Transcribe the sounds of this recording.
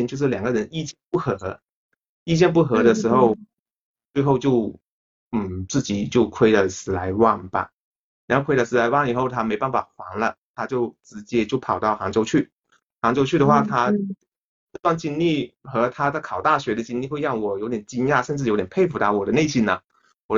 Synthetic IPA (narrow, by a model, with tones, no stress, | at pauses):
nt͡ɕjo˥˧ʂɻ̩˥˩ljŋɡə˦ɻə˧˥ni˥˧˩t͡ɕjɛ˥npu˥˩xɤ˧˥ | i˥˧t͡ɕjɛ˥˧np̬u˥˩xɤ˧˥ɾə˧ʂɻ̩˧˥xo˥˧ʊ | t͡swe˥˧ɪxo˥˧ʊt͡ɕjo˥˧ʊ | n̩˥˩t͡sɹ̩˥˩t͡ɕi˨˩t͡ɕjo˥˧ʊkʰwe˥ɪlə˨˩sɹ̩˧˥la˧˥ɪwa˥˩ŋbɐ̰˨˩˨ | o˥˧kʰe˥ɪlə˧˩sɹ̩˧˥la˧˥ɪwa˥˩ŋi˨˩xo˥˩ʊt̪ʰa˥me˧˥ɪpa˥˩nfa˨˩xwɑ˧˥ŋlə˧t̪ʰa˥t͡ɕjo˥˩ʊʈ͡ʂɻ̩˧˥t͡ɕjɛ˥t͡ɕjo˥˩ʊpʰɑ˨˩ʊt̪ɑ˥˩ʊxɑ˧˥ŋt͡ɕo˧˥ʊt͡ɕʰy˥˩ | xɑ˧˥ŋt͡ɕjo˥ʊt͡ɕʰy˥˩ə˩xwa˥˩t̪ʰa˥˧ | t̪wa˥˧nt͡ɕi˥nli˥˩xɤ˧˥t̪ʰa˥d̪ə˨kʰɑ˨˩ʊt̪a˥˩ɕɥɛ˧˥d̪ə˧t͡ɕi˥nli˥˧xwe˥˧ɪɻɑ˥˩ŋwɔ˨˩jo˧˥ʊt̪jɛ˨˩nt͡ɕi˥nja˥˩ʂə˥˧nʈ͡ʂɻ̩˥˩jo˧˥t̪jɛ˨˩pʰe˥˧ɪfu˧˥t̪ɑ˥˩ʊwɔ˨˩d̪ə˦ne˥˩ɪɕi˥˩nɐ˩ | wɔ˨˩